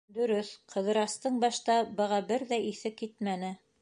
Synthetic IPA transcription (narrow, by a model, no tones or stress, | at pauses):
d̪ɵ̆ɾɵθqʰɤ̆ðɤ̆ɾɑst̪ɤɴbɑʃt̪ɑbɤ̆ʁɑbɘɾðæʔiθɘkːit̪mænɘ